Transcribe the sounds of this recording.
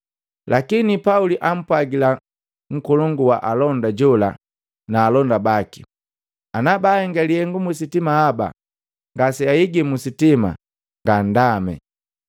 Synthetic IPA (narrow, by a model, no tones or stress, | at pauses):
lakinipauliʔam̩pwaɡila | ŋ̩kɔlɔŋɡuwa̰ʔalɔndaɟɔla̰ | naːlɔndabaki̥ | anabahɛŋɡalihɛŋɡumus̬itimahaba̰ | ŋɡasɛaiɡɛmusitima̰ | ŋɡan̩damɛ̰